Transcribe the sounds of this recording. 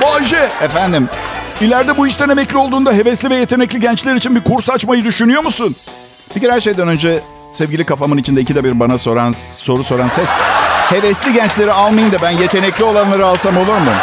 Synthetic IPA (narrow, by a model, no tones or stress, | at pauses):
baʒɛefænd̪im | ilʲæɾd̪ɛbuiʃt̪ænemɛclʲio̞lˠd̪uːnd̪aɦe̞vɛslʲivɛje̞t̪ʰenɛclʲiɟɛnt͡ʃlʲeɾit͡ʃʰinbiɾkʰuɾsat͡ʃmajɯd̪yʃynyjo̞musun | b̥iciɾhæɾʃe̞jd̪ænønd͡ʒɛ | sɛvɟʲilʲikʰafamɯnit͡ʃʰind̪ɛicʰid̪ɛbiɾbanasoɾanso̞ɾuso̞ɾansɛshe̞vɛslʲiɟɛnt͡ʃlʲe̞ɾialˠmajɯnd̪abænje̞t̪ʰe̞nɛclʲio̞lˠanlˠaɾɯalˠsamo̞lˠuɾmu